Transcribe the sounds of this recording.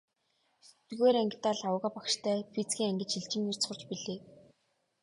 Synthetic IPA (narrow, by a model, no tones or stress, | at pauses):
t̪̆ɣeːɾæŋɡʲɪ̆t̪aːɮaw̆ʁăːpakʃt̪ʰæːpʰit͡sɡʲiːŋæŋɡʲɘ̆t͡ɕxiɮt͡ɕɪ̆ŋir̥t͡sχʊ̆rt͡ɕpiɮeː